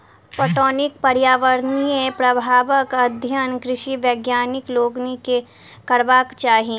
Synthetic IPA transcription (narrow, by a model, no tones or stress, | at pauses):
poːʈɔːnɪk̚pɐɾjaːʋəɾniepɾɐbʱaːʋəkɐd̪ʱjənkɾɪʃiʋjeːɡjaːnɪkloːɡnike | kɐɾʋaːkt͡ʃaːɦi